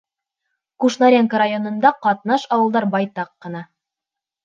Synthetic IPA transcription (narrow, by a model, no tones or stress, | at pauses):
kuʃnaɾʲeŋkəɾajo̞nɤ̆nd̪ɑqɑt̪̚nɑʃɑwɤ̆lˠd̪ɑɾbɑjt̪ɑqːɤ̆nɑ